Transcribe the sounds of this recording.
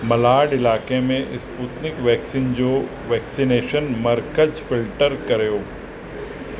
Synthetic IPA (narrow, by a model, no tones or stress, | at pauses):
mɐlaːɖɪlaːkemẽʔɪspuːt̪nɪkʋɛːksiːnd͡ʑoː | ʋɛːksineːʃənmɐɾkəzfɪlʈəɾkɐɾijoː